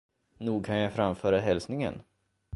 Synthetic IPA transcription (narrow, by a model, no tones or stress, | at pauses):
nuːɡ̚kʰanjafɾamfœːɾaɦɛlsnɪŋə̰n